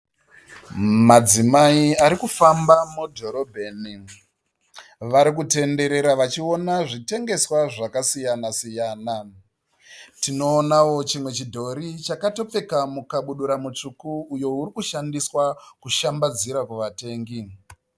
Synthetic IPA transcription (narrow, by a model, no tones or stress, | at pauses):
mad͡zimaiaɾikufambamudʱo̞ɾobʱeːni | ʋaɾik̬ute̞nde̞ɾe̞ɾaʋat͡ʃio̞naʐite̞ŋɡe̞swaʐakasijanasijaːna | tino̞ːnawo̞t͡ʃimwe̞t͡ʃidʱo̞ɾit͡ʃakato̞p͡fe̞kamukaɓuɗuɾamut͡ʂukuːjo̞uɾikuʃandiswakuʃambad͡ziɾakuʋate̞ːŋɡi